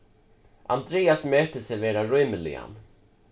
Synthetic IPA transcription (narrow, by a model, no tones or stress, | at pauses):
ʔa̰nd̪ɾeːasmøːt̪əsɛɾveːɾaɹʏməlɪ̰a̰n